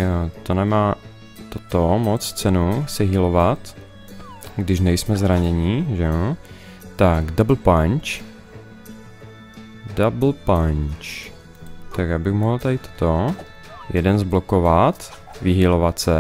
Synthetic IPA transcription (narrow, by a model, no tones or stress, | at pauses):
t̪onɛmaː | t̪ot̪omot͡st͡sɛnusɛɦilovat̪ | ɡdɪʃnɛjsmɛzɾaɲɛɲɪʒɛo | t̪aɡdabl̩paɲt͡ʃ | dabl̩paɲt͡ʃ | t̪akjaːbɪɣmoɦl̩t̪adɪt̪o̥t̪o | jɛdɛnzblokovat̪ | vɪɦilovat̪sɛ